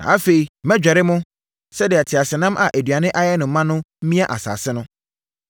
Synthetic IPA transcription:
nã̰˨a˦fe˨i˨mɛ̃˦d͡ʑᶣɛ˨ɾɪ˦mʊ̃˦ | sɛ˦dɪ˨a˨tʰɪ˨a˨sɪ˨nã˦mʔa̰˨ʔæ˨dɥa˨nɪ̃˦ʔa˦jɛ˦nʊ̃˨m̩˨˦mã˦nʊ̃˦m̩˦mĩ˦a˦ʔa̰˨sa̰ː˨sɪ˦nʊ̃˦

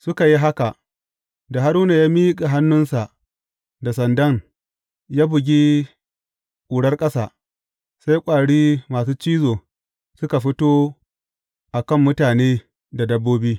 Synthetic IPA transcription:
sʊ˦ka˨ji˦ɦa˦ka˨ʔ | da˨ɦa˦ɾuː˦na˨jaː˦mi˦kʼe˨ɦa˦nːʊ˦nsa˨ | da˨sɐ˨ndɐ˦ŋ | jaː˦bʊ˨ɡʲi˦ | kʼuː˨ɽɐ˦rkʼɐ˦saː˨ | sa˦jkʷʼaː˨ɽiː˦maː˨s̬uː˦t͡ʃiː˦zoː˨ | sʊ˦ka˨ɸɪ˦toː˦ | ʔa˨kɐ˦˨mːʊ˦taː˨neː˦ | da˨dɐ˦bːoː˦biː˦

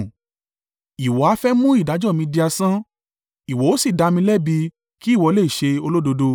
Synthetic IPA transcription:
i˨wɔ˨a˧fɛ˦mũ˦i˦˨da˨˦d͡ʒɔ˦˨mĩ˧di˧a˧sã˦ | i˨wɔ˨˦o˦si˦˨da˧mĩ˧lɛ˦˨bi˧ | ki˦˨wɔ˧˦le˦˨i˨ʃe˧o˧lo˦do˧do˧

